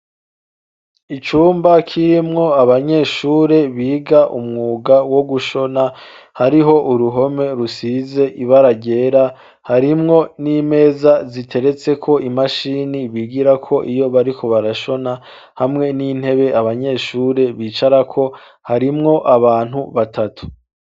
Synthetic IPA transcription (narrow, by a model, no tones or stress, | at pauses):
it͡ʃuːmbakʰiɾimŋo̞aβaɲe̞ːʃuːɾe̞βiːɡaʔṵmŋuːɡawo̞ɡuʃo̞na | haɾiɦo̞ʔuɾuɦo̞me̞ɾusize̞ʔiβaɾaɟe̞ːɾa | haɾimŋo̞niːme̞ːzazitʰe̞ɾe̞t͡se̞kʰo̞ʔimaʃiːniβiɡiɾakʰo̞ʔijo̞βaɾikʰo̞βaɾaʃo̞na | hamŋe̞nin̥he̞βe̞ʔaβaɲe̞ːʃuːɾe̞βiːt͡ʃaɾakʰo̞ | haɾimŋo̞ʔaβaːn̥huβatʰatʰu̥